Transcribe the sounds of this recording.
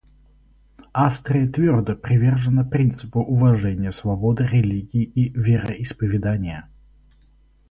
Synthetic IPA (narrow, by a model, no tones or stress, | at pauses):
afst̪ɾʲɪjət̪vʲord̪əpɾʲɪvʲerʐɨnəpɾʲint̪sɨpʊʔʊvɐʐɛnʲɪjəsvɐbod̪ɨɾʲɪlʲiɡʲɪːivʲɪɾəʔɪspəvʲɪd̪anʲɪjə